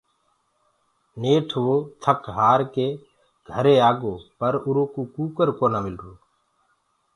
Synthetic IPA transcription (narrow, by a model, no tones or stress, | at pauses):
neːʈʰʋoːt̪ʰəkɦaːɾkeː | ɡʱəɾeːaːɡoːpəɾʊɾõːkoːkuːkəɾkoːnaːmɪlɾoː